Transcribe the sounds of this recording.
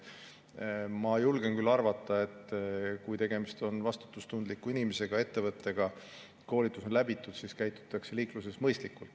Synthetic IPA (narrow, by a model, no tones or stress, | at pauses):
mɑjulɡ̥e̞nkylːɑrvɑt̪ˑːɑe̞t̪ːˑkujt̪e̞ɡe̞mist̪o̞nvɑst̪u̥t̪ːˑust̪und̪likːˑuinimese̞ɡ̥ɑe̞t̪ːe̞vɤt̪ːˑe̞ɡ̥ɑ | ko̞ːlit̪ːˑuso̞nlæbit̪ːˑud̪siskæjt̪ːˑu̥t̪ːˑɑkse̞liːkluse̞smɤjst̪likːult̪ˑ